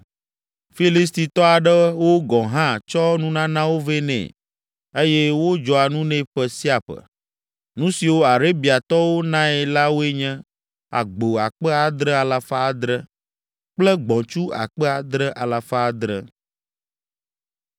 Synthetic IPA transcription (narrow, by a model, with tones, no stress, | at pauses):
fi˦li˦s̬t̪i˨t̪ɔ˦a˨ɖɛ˦wo˦ɡɔ̃˨ɦã˦t͡ʃɔ˦nũ˦nã˦nã˦wo˦ve˦nɛ̰̃˨ | e˦jɛ˦wo˦d͡ʒɔ˨a˨nũ˦nɛ̃˦ɸɛ˦si˦a˨ɸə̰˨ | nũ˦si˨wo˦a˨ɾe˦bi˨a˨t̪ɔ˦wo˦nã˦ɛ˨la˦wo˦e˦ɲɛ̃˦ | a̰˨ɡ͡bo˨a̰˨k͡pɛ˦a˨d̪ɾɛ˦a˨la˨fa˦a˨d̪ɾə˦ | k͡plɛ˦ɡ͡bɔ̃˨t͡ʃu˦a̰˨k͡pɛ˦a˨d̪ɾə˦ʔa˨la˨fa˦˨d̪ɾə̰˦